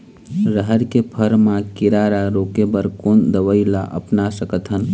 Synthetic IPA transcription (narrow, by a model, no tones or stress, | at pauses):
ɾəɦəɾkepʰəɾmãkɪɾaːɾaɾoːkebəɾkoːnd̪əʋəilaʔɐ̰pnasəkət̪ʰɦən